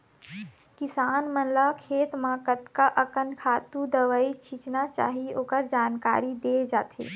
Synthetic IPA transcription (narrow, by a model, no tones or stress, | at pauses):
kɪsaːnmənlakʰeːt̪mãːkət̪kaʔəkənkʰaːt̪ud̪əʋait͡ʃʰit͡ʃnat͡ʃa̰ːɦioːkəɾd͡ʒaːnka̰ːɾid̪eːd͡ʒaːt̪ʰḛː